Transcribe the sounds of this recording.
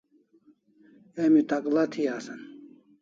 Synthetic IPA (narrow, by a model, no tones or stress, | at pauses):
emit̪ɐklɐt̪ʰiaːsɐn